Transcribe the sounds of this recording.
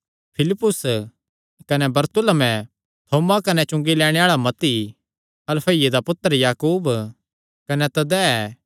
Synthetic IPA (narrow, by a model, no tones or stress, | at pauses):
pʰɪlɪpːʊs | kɐnɛbɐɾt̪ʊləmɛ̃ | t̪ʰoːmakɐnɛt͡ʃʊ̃ŋɡilɛːɽ̃eaːɭamɐt̪i | ɐlfʰɐjed̪apʊt̪ːəɾjaːkuːb | kɐnɛt̪ɐd̪ɛɛː